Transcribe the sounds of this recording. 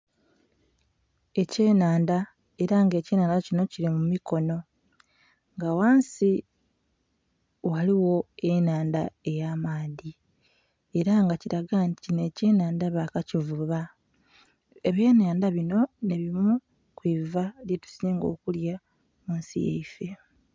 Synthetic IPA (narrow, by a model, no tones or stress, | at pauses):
e̞ce̞ːnaːnda | e̞ɾaŋɡe̞ːceːnaːndacino̞ciɾimumiko̞no̞ | ŋɡawaːnsi | waliwo̞enaːndae̞jaːmaːði | e̞ɾaŋɡaciɾaɡantiinece̞ːnaːndaβakacivuβa | eβje̞ːnaːndaβino̞ne̞βimu | kwivaljetu̥sineːŋɡo̞̰ːkulja | muːnsḭjḛife̞